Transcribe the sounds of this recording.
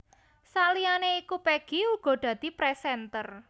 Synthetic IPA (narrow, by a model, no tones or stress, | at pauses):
salianeikupeɡ̥iuɡ̥ɔ̤d̪̥ä̤d̪̥i̤pɾɛsɛnt̪ər